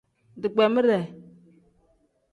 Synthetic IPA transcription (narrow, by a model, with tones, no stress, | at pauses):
di˨ɡ͡be˨mə˦ɾɛ˨